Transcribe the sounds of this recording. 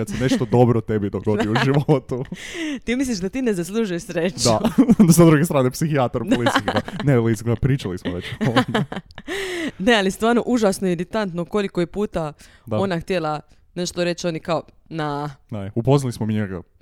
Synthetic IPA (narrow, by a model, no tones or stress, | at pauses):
ad̪seneʃt̪od̪o̞bɾot̪ebid̪oɡod̪ouʒiʋot̪ut̪iːmisliʃd̪at̪iːne̞zas̬lˠuʒujeʃsɾet͡ʃd̪asad̪ɾuɡest̪ɾaːnepsixiat̪aɾp̪liɡanelisɡapɾiːt͡ʃalismoʋet͡ʃon | nealist̪ʋaːɾnoʔuʒasnojeɾit̪ant̪noko̞likojepuːt̪a | d̪o̞naxt̪jelˠa | ne̞ʃt̪oɾe̞t͡ʃonikao | nanaupo̞znalismomiɲeɡa̰